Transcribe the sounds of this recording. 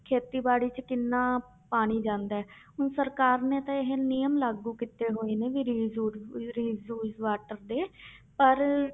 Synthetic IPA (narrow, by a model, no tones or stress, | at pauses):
kʰeːt̪iːbaːɽiːt͡ʃkɪnːãː | paːɽ̃iːd͡ʒãːnd̪aːɛː | ɦʊnsəɾkaːɾnẽːt̪ãːɪɦenijəmlaːɡuːkit̪eːɦoːiːneːʋiːɾiːzuːɾiːzuːzʋaːʈəɾd̪eːpəɾ